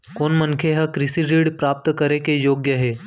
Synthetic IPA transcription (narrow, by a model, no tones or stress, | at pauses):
konmənkʰeɦəkɾɪsiɾiɽpɾaːp̚t̪kəɾekejoːɡjəɦe